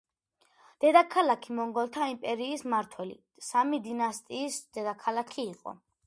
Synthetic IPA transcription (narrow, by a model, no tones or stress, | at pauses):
d̪̥ɛd̪akʰalakʰimɔŋɡɔlˠt̪ʰaimpʼɛɾiːsmaɾt̪ʰwɛlḭ | samid̪inast̪ʼiːsd̪̥ɛd̪akʰalakʰiːqʼɔ̰